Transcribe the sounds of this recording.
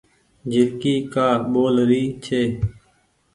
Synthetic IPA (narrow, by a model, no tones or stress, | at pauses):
d͡ʒɪlkiːkaːɓoːlɾiːt͡ʃʰeː